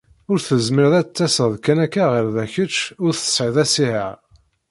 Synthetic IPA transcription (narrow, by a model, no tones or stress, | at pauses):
ʊɾθəzməɾðæt͡sːæsəðkænækːæʁəɾðæçət͡ʃːʊɾθə̥sʕəðæsihə̰ʁ